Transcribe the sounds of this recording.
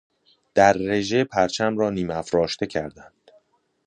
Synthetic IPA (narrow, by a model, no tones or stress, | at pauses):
d̪̥æɾːe̞ʒe̞pʰæɾt͡ʃʰæmɾɒːniːmæfɾɒːʃt̪e̞cʰæɾd̪ænd̪̥